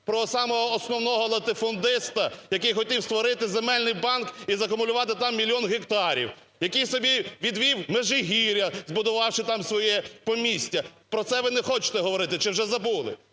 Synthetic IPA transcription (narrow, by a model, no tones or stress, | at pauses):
pɾɔsɑmɔɦɔːsnɔwnɔɦɔlˠɐt̪ɪfɔnd̪ɪst̪ɐjɐkɪjxɔtʲiwst̪ʋɔɾɪt̪ɪzemɛlʲnɪjbɑnkizɐkʊmʊlʲʊʋɑt̪ɪt̪ɑmːʲilʲjɔnɦekt̪ɑɾʲḭw | jɐkɪjsɔbʲiʋʲid̪ʋʲiwmeʒɪɦʲiɾʲɐzbʊd̪ʊʋɑwʃɪt̪ɑmsʋɔjɛpɔmʲisʲtʲːɐpɾɔt̪sɛʋɪnɛxɔt͡ʃɪ̥t̪ɛɦɔʋɔɾɪt̪ɪt͡ʃɪwʒɛzɐbulˠɪ̰